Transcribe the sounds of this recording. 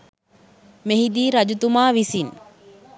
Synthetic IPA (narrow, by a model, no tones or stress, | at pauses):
meɦid̪iːɾɐd͡ʒut̪umaːʋisin